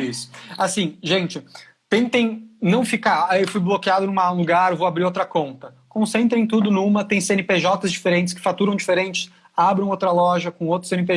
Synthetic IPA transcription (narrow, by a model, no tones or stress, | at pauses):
isʊ̥asĩʒẽnt͡ʃɪ | t̪ẽnt̪ẽj̃nɐ̃w̃fikaɾaewfujblokiad̪ʊnũmɐãluɡaɾvowabɾiɾowt̪ɾɐkõnt̪ɐ | kõsẽnt̪ɾẽẽt̪̬ud̪ʊnũmɐt̪ẽj̃sẽnɪpeʒɔt̪ɐzd͡ʒifeɾẽnt͡ʃɪ̥s̬kɪ̥fat̪uɾɐ̃w̃d͡ʒifeɾẽnt͡ʃɪ̥s | abɾɐ̃w̃owt̪ɾɐlɔʒɐkõowt̪ɾʊsẽnɪpe